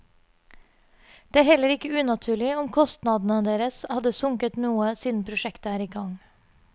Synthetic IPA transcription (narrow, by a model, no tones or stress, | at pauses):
d̪̥eːæːɾhɛləɾɪkəʉːnɑt̪ʰʉːɭɪɔmkʰɔst̪nɑd̪n̩əd̪eːɾəshɑd̪əsʊŋkət̪nuːəsiːnn̩pʰɾʊʃɛkt̪əæːɾiːɡɑŋ